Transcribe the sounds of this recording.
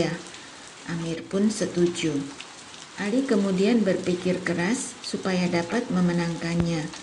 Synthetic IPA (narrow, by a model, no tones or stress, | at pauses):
a | ʔamɪrpʊnsət̪ud͡ʒu | ʔalikəmudianbərpikɪrkəɾasːupajadapat̪̚məmənaŋkanɲa